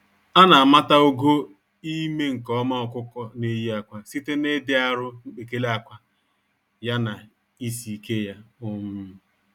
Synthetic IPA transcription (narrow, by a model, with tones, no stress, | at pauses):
a˦na˨a˨ma˦ta˦o˦ɡo˦ | i˦me˦ŋ̩˨kɔ˦ma˦ɔ˨kʷʊ˦kɔ˦ne˦ji˦a˨kʷa˨si˦te˦ne˦dɪ˦a˨ɾʊ˦ŋ͡m̩˦k͡pe˨ke˦le˦a˨kʷa˦ | ja˦na˨ | i˦si˨ke˦ja˦o˦mʊ˦